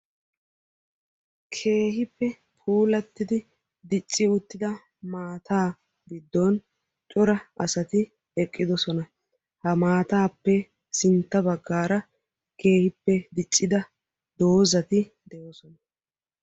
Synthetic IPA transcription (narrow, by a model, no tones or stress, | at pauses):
kʰe̞ːhɪpːɛ | pʰuːlɐt̪ːɪd̪ɪ | d̪ɪt͡ʃʼːɪʊt̪ːɪd̪ɐ | maːt̪ʰaː | ɡ̪ɪd̪ːoːn | t͡ʃʼʊɾɐɐsɐt̪ɪ | ɛkʼːɪd̪ɔsɔnɐ | hɐmaːt̪aːpːɛ | sɪnt̪ːɐbɐɡːaːɾɐ | ke̞ːhɪpːɛd̪ɪt͡ʃʼːɪd̪ɐ | d̪o̞ːzɐt̪ɪ | d̪ɛʔɔsɔnɐ